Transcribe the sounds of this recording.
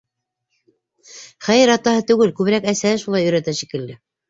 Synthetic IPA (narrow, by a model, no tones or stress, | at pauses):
χæjɘɾɑt̪ɑɦɤt̪ʉɡɘlkʉβɘ̆ɾækæsæhɘʃulˠɑjɵ̆ɾæt̪æʃikɘ̆ld̪ɘ